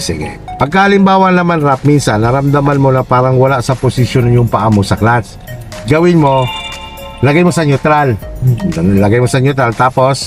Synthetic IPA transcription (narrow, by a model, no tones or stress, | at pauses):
sɪ̰ɡɛ̰pɐɡ̚kɐʔɐlɪmbaːwɐnɐmanɾap̚minsɐnːɐɾɐmd̪ɐmanmonɐpaːɾɐŋwɐlaʔsɐposɪʃjonŋjʊŋpɐʔamosɐklans | ɡɐwɪnmo̞ | lɐɡajmosɐɲjʊt̪ɾal | lɐɡajmosɐɲʊt̪ɾalt̪aːpo̞s